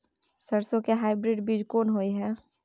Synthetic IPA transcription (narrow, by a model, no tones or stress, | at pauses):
səɾsõkeɦaːɪbɾɪɖbiːd͡ʒkoːnɦoːiɦɛː